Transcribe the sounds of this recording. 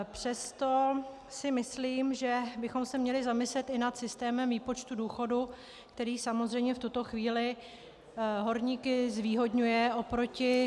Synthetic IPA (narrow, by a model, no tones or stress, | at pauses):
pr̝̥ɛst̪o̞ | sɪmɪsliːmʒɛbɪxo̞msɛmɲɛlɪzamɪslɛt̪ɪnat̪sɪst̪ɛːmɛmviːpo̞t͡ʃt̪uduːxo̞du | k̚t̪ɛɾiːsamozrɛjmɲɛft̪ut̪o̞xviːlɪ | ɦo̞ɾɲiːkɪzviːɦo̞dɲujɛʔo̞pɾo̞cɪ